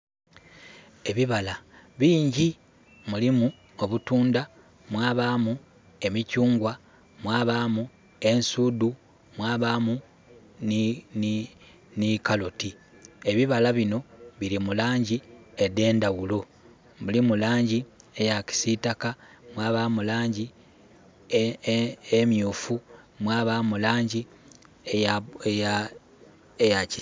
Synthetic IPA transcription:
e̞βiβalaβiːɲɟi | mulimu | o̞βutuːnda | mwaːβaːmu | e̞micuːŋɡwa | mwaːβaːmu | e̞nsudu | mwaːβaːmu | nin | nikaloti | e̞βiβalaβino̞βiɾimulaːɲɟiede̞ːndawulo̞ | mulimulaːɲɟie̞jaci̥sitakamwaːβamulaːɲɟi | emjuːfumwaːβamulaːɲɟi | eeja | ejaci

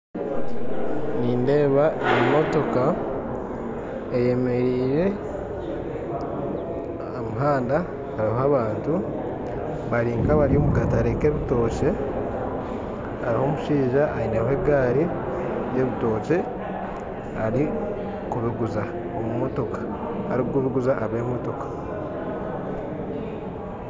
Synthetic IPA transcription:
niːnde̞ːβaemo̞to̞ka | eje̞me̞ɾiːɾe̞ | amuɦaːnda | aɾiɦaβaːntu | βaɾiːŋkaβaɾio̞ːmukataɾeke̞βito̞ːce̞ | aɾiho̞ːmuʃiːʒaʔːineɦwe̞ɡaːɾi | je̞βito̞ːce̞ | aɾi | kuβiɡuza | omumo̞to̞kḁ | aɾiɡuβiɡuzaʔaβe̞ːmo̞to̞kḁ

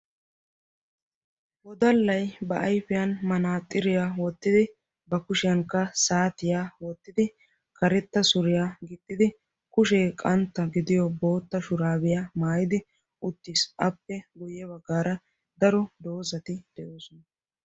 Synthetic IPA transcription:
wɔd̪ɐlːɐjbɐʔɐjfɪjɐnmɐnaːt̪ʼːɪɾɪjaːwɔt̪ːɪd̪ɪ | bɐkʊʃɪjɐŋkːɐsaːt̪ɪjaːwɔt̪ːɪd̪ɪ | kʰɐɾɛt̪ːɐsʊɾɪjaɡɪt̪ʼːɪd̪ɪ | kʊʃɛːkʼɐnt̪ːɐɡɪd̪ɪjɔbo̞ːt̪ːɐʃʊɾaːbɪjamaːjɪd̪ɪ | ʊt̪ːɪsʔɐpːɛɡʊjɛbɐɡːaːɾɐ | d̪ɐɾɔd̪o̞ːzɐt̪ɪd̪̥ɛʔo̞ːsɔnɐ

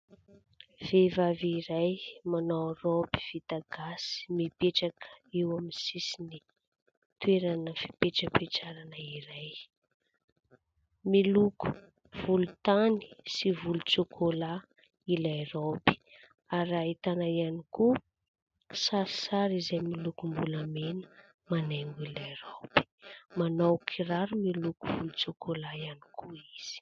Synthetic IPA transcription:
v̥evaviɾajmanoropi̥v̥it̪aɡasi̥mipeʈ͡ʂakə̥iwaminsisini | t̪weɾanəfi̥peʈ͡ʂəpeʈ͡ʂaɾanəiɾaj | miluku̥ | v̥ulut̪ani̥sivulut͡sokʰola | ilaeɾopi̥ | aɾait̪anaianiku | saɾisaɾizajmilukumbulamenə̥ | maneŋɡilaeɾopi̥manowkʰiraɾumilukuv̥ulut͡sokʰolajani̥kʰuiz̥i̥

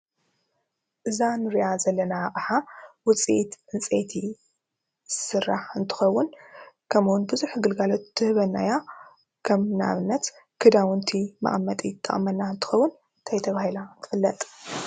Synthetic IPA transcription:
ʔɨzanɨɾijazɐlːɐnaχʼħawʊt͡sʼḭʔt̪ʔɨnt͡sʼet̪ʰi | sɨrːaħɨnt̪ʰɨ̥xɐwːʊn | kʰɐmuwnbɨzuħɡɨlɡalot̪ːɨhɨβɐnːaja | kʰɐmna̰βɨnːɐt̪ | kʰɨd̪awɨnt̪ʰima̰ʔʼmːɐt̪ʼjɪt̪ʰʼːɐ̰χʼmɐnːaɨnt̪ʰɨ̥xɐwːʊn | ɨnt̪ʰajt̪ʰɐβahilant̪ʰɨ̥fɨlːɐt̪ʼ

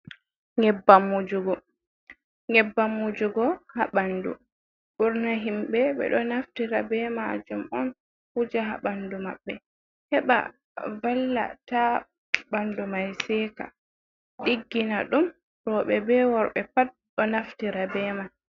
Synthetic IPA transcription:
ŋɛbːamːud͡ʒuɡɔ | ŋɛbːamːud͡ʒuɡɔhaɓandṵ | ʔuɾnaɦimbɛɓɛ̰ɗɔnaftiɾabɛmad͡ʒumɔn | hud͡ʒaɦa̰ɓandumaɓːɛ | hɛɓa̰ | valːa̰ta | bandumajsɛka̰ | ɗiɡːinaɗum | ɾɔɓɛbɛwɔɾɓɛpat̚ɗɔnaftiɾabɛman

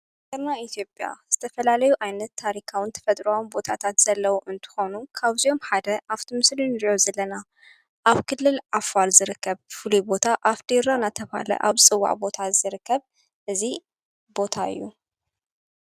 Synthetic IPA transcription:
dɐɾnait̪ʰijo̞pʼja̰z̥ɨt̪ʰɐfɐlalɐjuʔajnɐt̪ʰːaɾikʰawint̪ʰɐ̥fɐt̪ʼɾwawnbo̞t̪ʰat̪ʰat̪z̥ɐlːɐwuʔɨnt̪ʰɨ̥xo̞nukʰaβzio̞mħad̪ɐʔaft̪ʰimɨslinɨɾio̞zɐlːɐna | ʔaβkʰɨlːɨlʕafalzɨɾɨkʰːɐβfɨlubo̞t̪ʰaʔafd̪iɾanat̪ʰɐβa̰lɐ̰ʔa̰βt͡sʼɨwːa̰ʕbo̞t̪ʰazɨɾɨkːɐβ | ʔɨzi | bo̞t̪ʰaɨ̰jːu

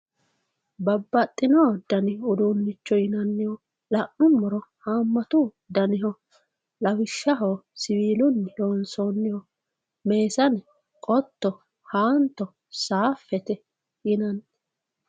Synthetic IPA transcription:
bɐbːɐt̪ʼːɪnoːd̪ɐnɪʊd̪unːɪt͡ʃːɔjɪnɐnːɪhɔ | lɐʔnʊnːɔɾɔhaːmːɐt̪ʊ | d̪ɐnɪɦɔ | lɐwɪʃːɐɦosɪwiːlʊnːɪjoːnsoːnːɪhɔ | me̞ːsɐn | kʼɔt̪ːɔ | haːnt̪ːɔ | saːfːɛt̪ɛ | jɪnɐnː

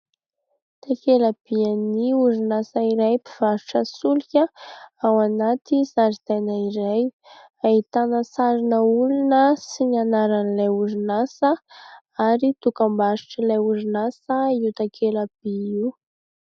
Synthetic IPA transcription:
t̪akelab̥ianiuɾinasaiɾajpiv̥aɾuʈ͡ʂəsulikʲəawanat̪isaɾiz̥ajnaiɾaj | ait̪anəsaɾinəulunəsinanaɾanilajuɾinasə | aɾit̪ukambaɾu̥ʈ͡ʂəlajuɾinasəiwt̪akʰelab̥iiw

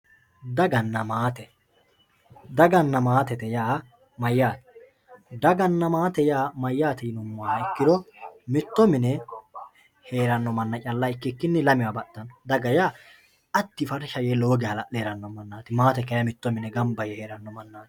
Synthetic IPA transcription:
d̪ɐɡɐnːɐmaːt̪ɛ | d̪ɐɡɐnːɐmaːt̪ɛt̪ɛjaː | mɐjːaːt̪ɛ̥ | d̪ɐɡɐnːɐmaːt̪ɛjaːmɐjːaːt̪ɛjnʊmːaːnɐɪkːɪd̪ɔmɪt̪ːɔmɪnɛ | he̞ːɾɐnːɔmɐnːɐt͡ʃʼɐlːɐɪkːɪkːɪnːɛlɐmɪjwaːbɐɗ̪ːɐnd̪ɐɡɐjaː | ʔɐt̪ːɪfɐɾʃɐjɛloːɡɛhɐlɐɗeːɾɐnːɔmɐnːaːt̪ɪmaːt̪ɛkɐjɐmɪt̪ːɔmɪnɛɡɐmbɐjɛheːɾɐnːɔmɐnːaːt̪

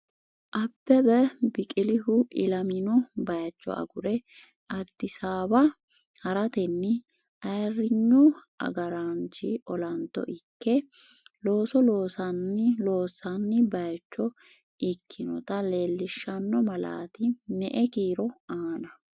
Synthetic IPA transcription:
ʔɐbːɛbɛbɪkʼɪlɪhʊʔɪ̰lɐmɪnɔbɐjt͡ʃːɔ̰ʔɐ̰ɡʊɾɛ | ʔɐd̪̥ːɪsaːbɐ | hɐɾɐt̪ɛnːɪ | ʔɐjrːɪɲːɔʔɐ̰ɡɐɾant͡ʃɪ̰ʔɔlɐnt̪ːɔ̰ʔɪkːɛlo̞ːsɔlo̞ːsɐnːɪlo̞ːsɐnːɪbɐjt͡ʃːɔ | ʔɪkʰːɪnɔ̰t̪ɐle̞ːlːɪʃːɐnːɔmɐla̰ːt̪ɪnɛʔɛkiːɾɔaːnɐ

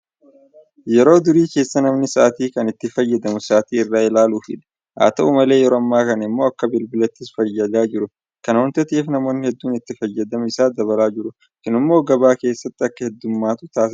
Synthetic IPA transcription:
jɛɾo̞ːd̪ʊɾiːke̞ːsːɐnɐmnɪsaːt̪iːkɐnɪt̪ːɪfɐjːɐd̪ɐmʊsaːt̪iːɪrːaːɪlaːluːfɪ̰ᶑ̪ɐ̥ | ʔa̰ːt̪ɐʔumɐle̞ːjɛɾoːɐmːaːkɐnɐɪmːo̞ːɐkːɐbɪlbɪlɐt̪ːɪsfɐjːɐd̪aːd͡ʒɪɾʊ | kɐnɔnt̪ɛt̪iːfnɐmo̞ːnːɪhɛd̪ːuːnɪt̪ːɪfɐjːɐd̪ɐmɪsaːd̪ɐβɐlaːd͡ʒɪɾʊ | kɪnɪmːo̞ːɡɐbaːke̞ːsːɐt̪ːɪɐkːɐhɛd̪ːʊmːaːt̪ʊt̪aːsɪ

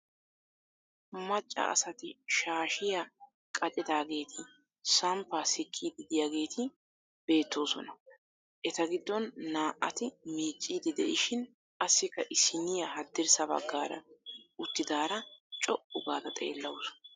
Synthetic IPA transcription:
mɐt͡ʃʼːɐ̰ɐ̰sɐt̪ɪʃaːʃɪja | kʼɐt͡ʃʼɪd̪aːɡe̞ːt̪ʰɪ | sɐmpaːsɪkʼːid̪ɪd̪ɪjaːɡe̞ːt̪ʰɪ | b̥e̞ːt̪ːo̞ːsɔ̰nɐ | ʔɛt̪ɐɡɪd̪ːɔnːaːʔʔɐt̪ɪmiːt͡ʃʼːiːd̪ɪd̪ɛʔɪʃɪn | ʔɐsːɪkːɐʔɪsɪnɪjɐhɐd̪ːɪɾsɐbɐ̰ɡːaːɾɐ̰ʊt̪ːɪd̪aːɾɐt͡ʃʼɔʔʊɡaːd̪ɐt̪ʼe̞̰ːlːɐwʊs

